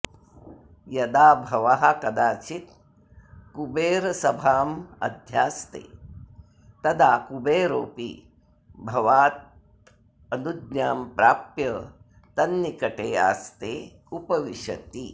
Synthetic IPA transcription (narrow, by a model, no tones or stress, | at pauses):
jɐd̪aːbʱɐʋaɦɐkɐd̪aːt͡ʃit̪̚ | kubeːɾɐsɐbʱaːmɐ̰d̪ʱjaːst̪ḛː | t̪ɐd̪aːkubeːɾoːpḭ | bʱɐʋaːt̪̚ | ɐnud̪naːmpɾaːpjɐ | t̪ɐnːikɐʈeːa̰ːst̪eː | upɐʋiʃɐ̰t̪i